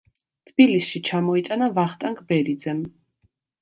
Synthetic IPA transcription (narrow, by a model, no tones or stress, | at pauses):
t̪ʰb̥ilisʃit͡ʃʰamɔit̪ʼanavaχt̪ʼaŋkʰʼbɛɾid̪zɛm